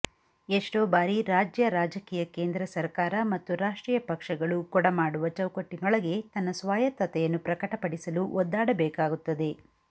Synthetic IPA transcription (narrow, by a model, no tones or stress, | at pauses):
eʂʈoːbaːɾiɾaːd͡ʒjɐɾaːd͡ʒɐkiːjɐkeːnd̪ɾɐsɐɾkaːɾɐmɐt̪ːuɾaːʂʈɾiːjɐpɐkʂɐɡɐɭukɔɽɐmaːɽuʋɐt͡ʃɐwkoʈːinɔɭɐɡe̞t̪ɐnːɐsʋaːjɐt̪ːɐt̪ɛjɐnːupɾɐkɐʈɐpɐɽisɐluʔɔd̪ːaːɽɐbɛːkaːɡut̪ːɐd̪e̞